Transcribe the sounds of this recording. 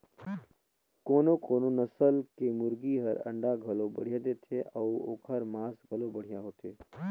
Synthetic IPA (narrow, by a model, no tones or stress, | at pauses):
koːnokoːnonəsəlkemʊɾɡiɦəɾə̰̃ɳɖaɡʱəlobə̰ɽ̤ijad̪et̪ʰeəuo̰ːkʰəɾmaːsɡʱəlobəɽ̤ijaɦot̪e